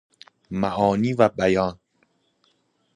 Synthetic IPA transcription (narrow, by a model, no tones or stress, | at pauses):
mæʔɒːniːvæbæjɒːn